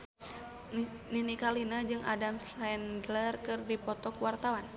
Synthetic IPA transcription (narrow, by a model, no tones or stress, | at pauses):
ninikalinad͡ʒɨŋa̰damsandlərkɨrdipɔt̪ɔkuwart̪awan